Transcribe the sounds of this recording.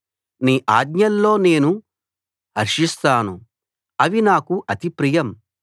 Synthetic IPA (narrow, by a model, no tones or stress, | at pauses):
niːʔaːd̪ɲɐlːo̞ːne̞ːnu | ɦɐɾʂist̪aːnu | ɐʋinaːkuʔɐt̪ipɾijɐm